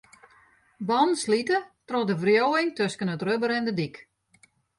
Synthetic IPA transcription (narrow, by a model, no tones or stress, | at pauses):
bɔnslitətrɔdəvrjoːɪŋtøskənətrøbəɾɛndədik